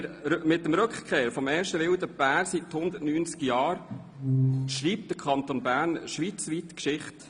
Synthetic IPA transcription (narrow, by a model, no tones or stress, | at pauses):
mɪtːəmɾɵkχkʰeːɾfɔmeːɾʃtəʋɪwd̪əb̥æːɾsithʊnd̪ətnyːnt͡skjɑːɾ | ʃriːp̚td̥əkʰɑnt̪onbæːɾnʃʋiːt͡sʋiːtkʃɪχt